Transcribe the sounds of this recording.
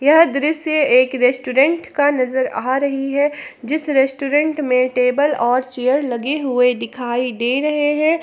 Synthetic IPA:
jɐɦd̪ɪɾɪsjeeːkɾeːsʈuːɾɛ̃ɳʈkanɐzəɾaːɾɐɦiɦɛd͡ʒɪsɾɛsʈuːɾɛ̃ɳʈmẽʈeːbəlɔːɾt͡ʃeːjəɾlɐɡeɦʊed̪ɪkʰaːid̪eːɾɐɦeɦɛ̃ː

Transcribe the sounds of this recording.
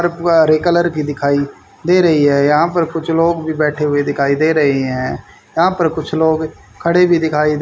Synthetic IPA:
ɾɾeːkələɾkiːd̪ɪkʰaːiː | d̪eːɾəɦiːɦɛːjaãːpəɾkʊt͡ʃʰloːɡbiːbɛːʈʰeːɦʊeːd̪ɪkʰaːiːd̪eːɾəɦeːɦɛ̃ː | jãːpəɾkʊt͡ʃʰloːɡ | kʰəɽeːbiːd̪ɪkʰaːiːd̪

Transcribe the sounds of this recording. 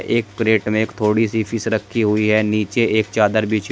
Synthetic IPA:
ʔeːkːɾeːʈmẽeːkt̪ʰoːɽisipʰɪsɾəkʰːiɦʊiɦɛniːt͡ʃeeːk̚t͡ʃaːd̪əɾbiːt͡ʃ

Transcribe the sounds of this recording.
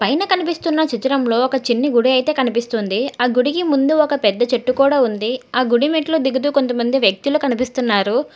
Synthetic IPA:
pɐjnɐkɐnipist̪unːɐt͡ʃit̪iɾɐmlo̞ːɔkɐt͡ʃinːiɡuɽiɐjt̪e̞ːkɐnipist̪und̪iaːɡuɽikimund̪uɔkɐpɛd̪ːɐt͡ʃɐʈːukuːɽaːund̪iaːɡuɽimiʈloːd̪iɡut̪̬uːko̞nt̪ɐmɐnd̪iʋjɐk̚t̪ilukɐnipist̪unːaːɾu

